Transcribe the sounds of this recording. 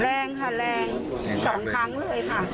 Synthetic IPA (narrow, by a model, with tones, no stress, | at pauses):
lɛː˧ŋɦʰa˥˧˩lɛː˧ŋ | sɔː˩˦ŋk̪ʰa˦˥ŋlɤː˧jkʰa˥˩